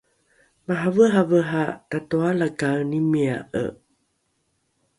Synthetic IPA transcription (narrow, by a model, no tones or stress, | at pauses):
maɦavəɦavəɦatatoalakawnimia̰ʔə̰